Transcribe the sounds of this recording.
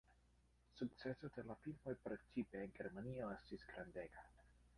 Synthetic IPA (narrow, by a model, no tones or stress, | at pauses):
suk̚t͡sesodelafilmojpɾet͡ʃipeːnɡeɾmanioestisɡɾandeɡa